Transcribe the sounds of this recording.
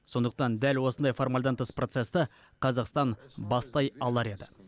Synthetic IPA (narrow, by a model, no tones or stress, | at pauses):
so̞nd̪əq̚t̪ɑnd̪ælwo̞sənd̪ɑjfo̞rmɑlʲˠd̪ɑnt̪əspro̞t̪se̞st̪ə | qʰɑzɑqst̪ɑnbɑst̪ɑjɑlˠɑɾe̞d̪ɪ